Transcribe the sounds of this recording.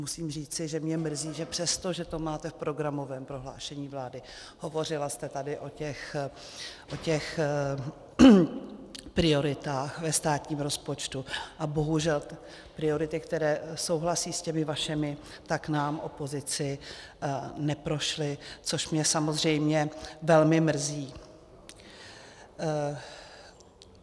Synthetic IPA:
musiːmriːt͡sɪʒɛmɲɛmr̩ziːʒɛpr̝̥ɛst̪oʒɛt̪o̞maːt̪ɛfpɾo̞ɡɾamo̞vɛːmpɾo̞ɦla̰ːʃɛɲiːvlaːdɪ | ho̞vo̞rɪlast̪ɛt̪adɪʔo̞cɛx | ʔo̞cɛx | pɾɪo̞ɾɪt̪aːxvɛst̪aːt̪ɲiːmɾospo̞t͡ʃt̪uʔabo̞ɦuʒɛl | pɾɪjo̞ɾɪt̪ɪkt̪ɛɾɛːso̞wɦlasiːscɛmɪvaʃɪmɪ | t̪aknaːmʔo̞po̞zɪt͡sɪ | nɛpɾo̞ʃlɪt͡so̞ʃmɲɛsamo̞zr̝ɛjmɲɛvɛlmɪmr̩ziː

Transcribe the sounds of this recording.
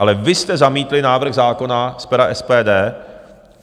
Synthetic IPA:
alɛvɪst̪ɛzamiːt̪lɪnaːvr̩ɣzaːko̞naspɛɾaʔɛspɛːdɛː

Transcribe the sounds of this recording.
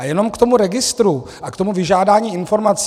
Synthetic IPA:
ajɛno̞mkt̪o̞muɾɛɡɪst̪ɾu | ʔakt̪o̞muvɪʒaːdaːɲiːɪnfo̞ɾmat͡s

